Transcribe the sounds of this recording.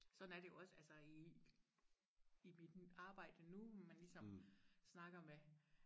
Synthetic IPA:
sɒ̽d̥n̩æɐd̥e̝oɒ̽səælsɐi | mid̥ɑ̈ːb̥ɑ̈ɪ̰d̥ənumænlisɒ̽msnɑ̈ɡ̥ɐme

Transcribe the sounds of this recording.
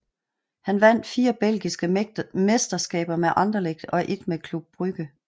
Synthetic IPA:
hænʋæn̰d̥fiːɐb̥el̰ɡ̥isɡ̥əme̝sd̥ɐsɡ̥ɛ̰ːb̥ɐmeʔɑ̈nd̥ɐleɡ̥̚d̥ɒ̽ʔe̝d̥mekʰlub̥̚b̥ʁyɡ̥ə

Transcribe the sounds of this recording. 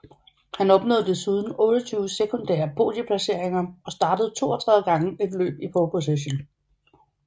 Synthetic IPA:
hænɒ̽b̥nɔ̽ð̰d̥əsiːð̞ˠn̩ɔ̽ːɾɒt͡sʰyːʊəsekʰond̥æ̰ːɐpʰo̝̰ːd̥jəpʰlæse̝ɐ̰eŋɐɒ̽sd̥ɑ̈ːd̥əð̞̩ˠt͡sʰo̝̰ːɐt͡sʰʁaðˠəɡ̥ɑ̈ŋəe̝d̥lø̰ːb̥ipʰopʰo̝s̬eɕ̬on

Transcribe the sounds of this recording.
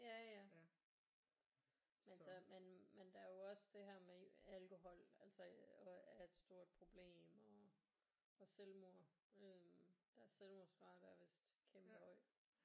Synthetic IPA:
jæjæ | mæsɒmenmend̥ææɐjo̝ɒ̽sd̥e̝ɦæɐ̰meælko̝ɦɒ̽l̰ælsɐɒæɐe̝d̥sd̥o̝ɐ̰d̥̚pʰʁo̝b̥le̝̰ːmɒ̽ | ɒ̽selmoɐ̰ød̥ɑ̈æɐselmo̝ɐsɡ̥ʁɑ̈ːd̥ɑɐʋe̝sd̥kʰemb̥əhɒɪ̰̥

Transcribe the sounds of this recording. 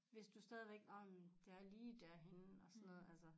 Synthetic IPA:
ʋe̝sd̥usd̥ɛːð̞ˠʋeɡ̥ɒmd̥eæɐliːd̥æɐɦe̝nɒ̽sɒnːɔ̽ð̩ˠælsə

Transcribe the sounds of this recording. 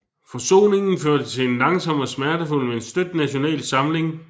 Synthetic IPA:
fɒ̽so̝̰ːne̝ŋn̩føɐd̥ət͡sʰe̝enlɑ̈ŋsɒ̽m̰ɒsmæɐdəful̰meensd̥ød̥næɕo̝nɛ̰ːlsɑ̈mle̝ŋ

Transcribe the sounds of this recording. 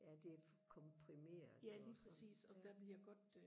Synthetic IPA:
jæd̥e̝f | kʰɒ̽mpʰʁime̝̰ːɐjæliːpʁɛsḭːsɒ̽d̥æʋeljaɡ̥ɒ̽d̥

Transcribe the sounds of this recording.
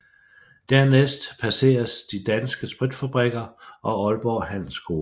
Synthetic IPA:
d̥æɐnesd̥pʰæse̝̰ːɐsd̥id̥ænsɡ̥əsb̥ʁid̥fæb̥ʁɛɡ̥ɐʔɒ̽ɒ̽lb̥ɒːɦæn̰l̩sɡ̥o̝ː

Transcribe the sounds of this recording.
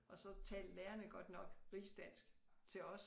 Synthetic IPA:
ʔɒ̽sɒ̽t͡sʰɛ̰ːld̥leːɐnəɡ̥ɒ̽d̥nɒ̽ɡ̥ʁiːsd̥æn̰sɡ̥t͡sʰe̝ɒ̽s

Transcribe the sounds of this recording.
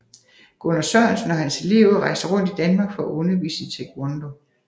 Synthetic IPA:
ɡ̥onɐsɒnsnɒhænse̝le̝̰ʊ̰ʁɑ̈ɪsɐʁɔ̽n̰d̥id̥ænmɑ̈ːɡ̥fɒ̽æʔɔnɐʋḭːseŋt͡sʰe̝ɡ̥ʰwɑnd̥o̝

